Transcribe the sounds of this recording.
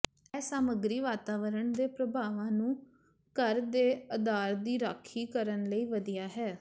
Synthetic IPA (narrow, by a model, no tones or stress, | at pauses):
ɛːsaːməɡɾiːʋaːt̪aːʋəɾəɳd̪eːpɾəbʱaːʋãːnũː | kəɾd̪eːəd̪aːɾd̪iːɾaːkʰiːkəɾənləiːʋəd̪ijaːɦɛː